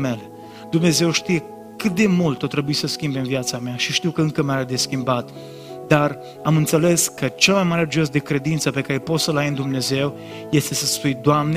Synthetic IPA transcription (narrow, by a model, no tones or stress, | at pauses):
me̞le | d̪umne̞ze̞wʃt̪ije̞ | kɨt̪̚d̪e̞mult̪ot̪ɾe̞buisəskʲimbemviat̪sameaʃiʃt̪iwkəɨŋkəmeaɾed̪e̞skʲimbat̪ | d̪ar | amɨnt̪se̞le̞skət͡ʃelmajmaɾed͡ʒios̬d̪e̞kɾe̞d̪int̪səpe̞kaɾepo̞t̪səlajnd̪umne̞ze̞w | je̞st̪e̞səspujd̪oamn